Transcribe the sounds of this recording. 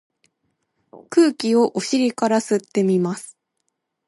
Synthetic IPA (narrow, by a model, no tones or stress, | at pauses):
kɯ̟ːkʲio̞ʔoɕiɾʲikaɾasɨt̪ːe̞mʲimasɨ̥